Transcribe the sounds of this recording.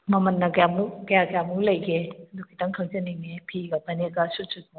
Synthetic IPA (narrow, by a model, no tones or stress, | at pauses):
mɐmɐnːɐɡjamukɐjaɡjamulɐjɡʰedukʰitɐŋkʰɐŋzɐnːiŋnepʰiɡɐbɐneɡɐsutsu